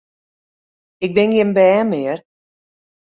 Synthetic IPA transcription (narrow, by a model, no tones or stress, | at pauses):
ɪk̚bɪnjɪmbɛːmɪər